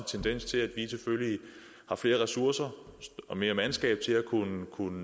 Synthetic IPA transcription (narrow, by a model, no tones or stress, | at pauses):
t͡sʰend̥en̰st͡sʰe̝læd̥ʋisʰefølji | hɑ̈fle̝ːɐʁɛsuɐsɐɒ̽me̝ːɐmænsɡ̥ɛ̰ːb̥̚t͡sʰe̝lækʰunəkʰunə